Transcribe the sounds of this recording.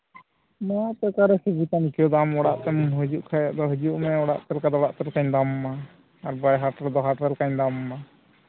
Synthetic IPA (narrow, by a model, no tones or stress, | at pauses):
majaʔt̪ɛkaɾɛsɛd͡ʒit̪ankɔd̪amɔɽaʔt̪ɛmumɦəd͡ʒuʔkʰaja̰ʔd̪ɔɦəd͡ʒuʔmɛɔɽa̰ʔt̪ɛlkad̪ɔɔɽaʔt̪ɛlkaɲd̪amːaː | ɾbajɦaʈɛld̪ɔɦaʈɛlkaɲd̪amːa